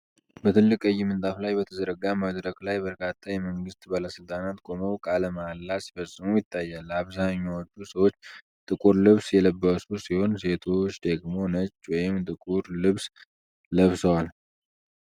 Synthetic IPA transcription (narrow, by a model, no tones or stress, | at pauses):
bət̪ʰɨlːɨkʼɨjːɪmɨnt̪ʼaflajbət̪ʰəzəɾəɡamad̪ɾəɡlajbəɾkʰʼat̪ʰːajɛməŋɡɨst̪balasɨlt̪ʼanat̪kʼo̞məwkʼaləmalːasi̥fəsʼːɨmujɪt̪ʰːajːalːaβzaɲːawɔt͡ʃːusəwo̞t͡ʃː | t̪ʼɨkʼuɾlɨβsjɛləbːəsusiho̞nse̞t̪ʰo̞t͡ʃːd̪əɡmo̞nət͡ʃːwɔjɪmt̪ʼɨkʼuɾlɨβs | ləβsəwal